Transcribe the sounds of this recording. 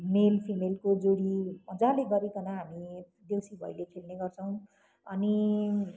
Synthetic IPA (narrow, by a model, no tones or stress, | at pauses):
melpʰimelkod͡zoɽiʌd͡zãleɡʌɾekʌnaɦami | d̪ewsibʱʌ̰jlekʰelneɡʌrt͡sʰʌw̃ | ʌni